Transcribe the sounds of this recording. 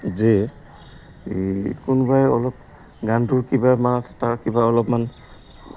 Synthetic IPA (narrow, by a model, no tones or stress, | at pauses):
ze | kunbajɔlɔp̚ | ɡantʊɹkibamanasɛ̥taɹkibaɔlɔpman